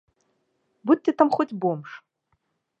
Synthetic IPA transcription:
bud̚ʲt̪ʲːet̪ʰamχotʲbomʂ

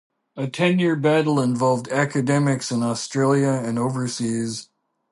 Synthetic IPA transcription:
ɨtʰɛ̃njɪɹbæɾl̩ˠə̃ɱvɑlˠvdækɨdɛmɨksɨ̃nɔstɹ̥eɪlˠjəɨ̃noʊvə˞siz̥

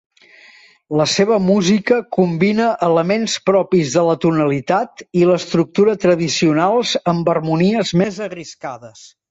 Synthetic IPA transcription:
ləseβəmuzikəkumbinəʔələmenspɾɔpizðələt̪unəlit̪at̪iləst̪ɾuk̚t̪uɾət̪ɾəðisiunalˠzəmbərmuniəzmezərriskaðəs

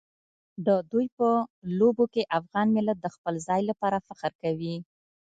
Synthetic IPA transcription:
d̪əd̪ujpəlobokeʔafɣɑnmɪlat̪̚d̪əxpəlzɑjlapɑɾafaqəɾkawi

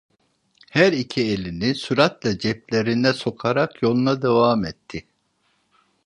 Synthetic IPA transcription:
hæɾicʰielʲinisuɾat̪lˠɑd͡ʒɛp̚lʲe̞ɾind̪ɛso̞kʰaɾakjo̞lˠunad̪evaːmɛt̪ʰːɪ

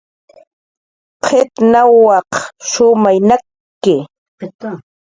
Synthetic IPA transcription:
qʰɪt̪nawːɑqʃʊmajna | kɪ

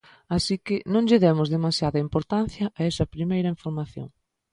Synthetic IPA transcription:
asikɪnõŋʎɪðɛmʊzðemasjaðɐimpoɾt̪an̟θjɐʔɐɛsɐpɾimejɾɐiɱfoɾmaθjõ̰ŋ

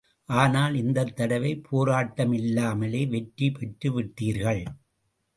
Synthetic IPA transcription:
ʔaːnaːlɪnd̪ɐt̪ːɐɽɐʋɐɪpʰoːɾaːʈːɐmɪlːaːmɐleːʋɛʈɾipɛʈːɯʋɪʈːiːɾɣɐɭ

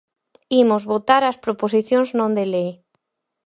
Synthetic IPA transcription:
imozβot̪aɾaspɾoposiθjoŋznõnd̪elej

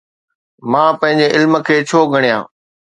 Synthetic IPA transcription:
mãːpɐ̃ɦɪ̃ɲd͡ʑeʔɪlmə̆kʰeːt͡ɕʰoːɡʱɐɽ̃ijã̰ː

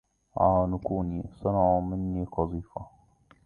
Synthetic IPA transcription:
ʕaːnʊkuːniːsˤɑnʕuːmɪnːiːqɑzˤiːfa

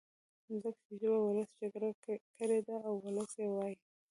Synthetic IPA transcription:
zəkt͡ʃid͡ʒibawʊləsd͡ʒaɡɾakəɾed̪aːwːʊləsjewɑji

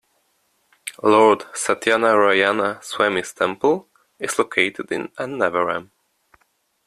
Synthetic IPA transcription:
lɔɹd̥satʰjanəɹajanəswɛmɪ̃stʰɛ̃mpəlˠ | ɪz̥lokʰeɪtɨdɪ̰̃nãnːɛvəɹã̰m

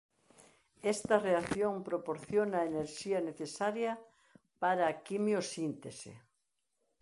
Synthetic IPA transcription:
ɛst̪ɐreaθjoŋpɾopoɾθjonaeneɾʃiɐneθesaɾjɐ | paɾɐːkimjosint̪esḛ

